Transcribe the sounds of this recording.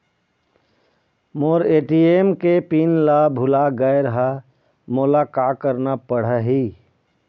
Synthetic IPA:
moːɾeːʈiemkepiːnlabʱʊlaɡəeɾəɦa | moːlakaːkəɾnapəɽ̤əɦiː

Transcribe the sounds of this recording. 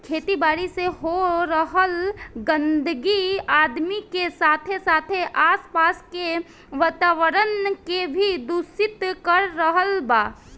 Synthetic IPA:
kʰeːt̪ibaːɾiseɦoɾəɦəlɡə̃nd̪əɡiaːd̪mikesaːt̪ʰesaːt̪ʰeʔaːspaːske | ʋat̪aːʋəɾənkebʱid̪usit̪kəɾːəɦəlbaː

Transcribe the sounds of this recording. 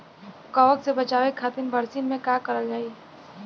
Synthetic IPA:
ʊkaːʋəksebɐt͡ʃaːʋekʰaːt̪ɪnbɐɾsinmẽkaːkɐɾad͡ʒaːi

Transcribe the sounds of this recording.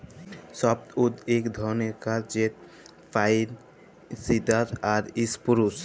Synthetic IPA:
sɔpt̪ud̪ekd̪ʱɔneɾkaɾd͡ʑet̪̚ | fʰajid̪ | sid̪at̪aɾispuɾus

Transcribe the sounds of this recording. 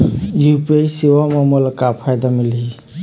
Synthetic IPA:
jupesiwamamolkapʰajd̪amilɦi

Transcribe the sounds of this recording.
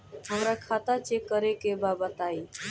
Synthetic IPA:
ɦəmɾakʰat̪at͡ʃekːəɾekebabat̪ai

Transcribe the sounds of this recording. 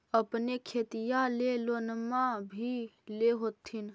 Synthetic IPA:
əpnekʰet̪ijalelonmabʱileɦot̪ʰːin

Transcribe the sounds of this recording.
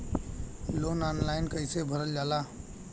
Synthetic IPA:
loːnaːnlaːɪnkəɪsebʱəɾəld͡ʒaːla

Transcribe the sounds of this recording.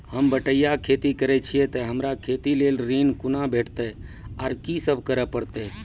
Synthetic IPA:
həmbəʈəjakʰeːt̪ikəɾɛt͡ʃʰiet̪əɦəmɾakʰeːt̪ileːlɾinkʊnabʱeːʈʰt̪e | aɾkisəbʱkəɾəpəɽt̪e

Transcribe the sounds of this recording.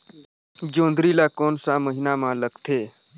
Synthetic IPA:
d͡ʒond̪ɾilakɔnsaməɦinamaləkt̪ʰe

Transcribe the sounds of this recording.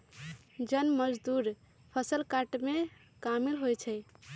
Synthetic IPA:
d͡ʒənməd͡ʒd̪uɾ | pʰəsəlkaʈme | kamilɦojt͡ʃʰɛɪ

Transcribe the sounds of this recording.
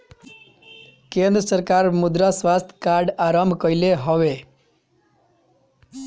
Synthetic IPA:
kẽnd̪ɾəsəɾkaɾmud̪ɾasʋast̪ʰkaɾɖaɾəmbʱkəjleɦɔʋe

